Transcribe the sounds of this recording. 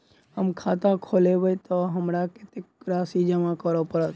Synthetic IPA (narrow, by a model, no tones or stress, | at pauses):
əmkʰaːt̪ãkʰoːleʋojt̪oɦəmɾakɪt̪ekɾaːsid͡ʒəmãkəɾopəɾət̪